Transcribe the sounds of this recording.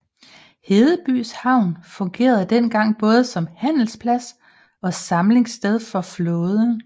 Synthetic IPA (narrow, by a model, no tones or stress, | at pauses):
he̝ːðˠəb̥y̰ːshɑ̈ʊ̰nfɔ̽ŋɡ̥e̝̰ːɐðˠd̥enɡ̥ɑ̈ŋ̰b̥ɔ̽ːð̞̩ˠəsɒ̽mhæn̰l̩spʰlæs | ɒ̽sɑ̈mle̝ŋsd̥eð̞ˠfɒ̽flɔ̽ːð̞ˠən